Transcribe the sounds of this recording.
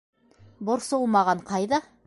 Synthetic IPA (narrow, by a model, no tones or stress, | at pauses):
bŏɾsolˠmɑʁɑɴqɑjðɑ